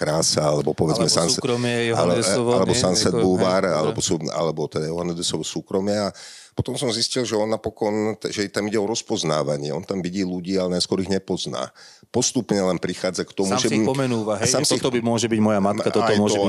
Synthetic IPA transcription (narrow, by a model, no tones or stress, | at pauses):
kɾaːsaalɛbɔpɔʋɛd͡zmɛsanːkɾɔma̰lɛɛalɛbɔsansɛd̪buʋaːɾalɛbɔsua̰lɛbɔt̪ɛd̪ajɔɦanɛd̪ɛsɔʋɔsuːkɾɔmɪaa | pɔt̪ɔmsɔmziscilʒɛɔnːapɔkɔnʒɛt̪amiɟɛɔɾɔspɔzna̰ːʋaɲɪɛɔnt̪amʋiɟiːluɟiːalɛnajskwɔɾiɣɲɛpɔzna̰ː | pɔst̪upɲɛlɛnpɾixaːd͡zakt̪ɔmuʒɛɔmɛnuːʋaɦsamsɔixt̪ɔmʊɔʒɛbiɟmɔjamat̪kat̪ɔaɔmʊɔʒɛɔ